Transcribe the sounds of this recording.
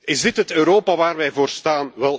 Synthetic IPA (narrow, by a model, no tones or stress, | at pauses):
ɪzdɪtɦətøːɾoːpaʋaːrʋɛjvoːrstaːnʋɛlˠ